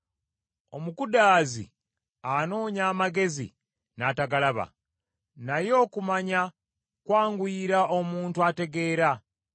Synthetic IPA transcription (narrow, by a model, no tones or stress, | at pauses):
o̞mukudaːzḭ | ano̞ːɲaːmaɡe̞zḭ | naːtaɡalaβa̰ | najo̞ːkumaɲa | kwaːŋɡwiːɾao̞muːntuate̞ɡe̞ːɾa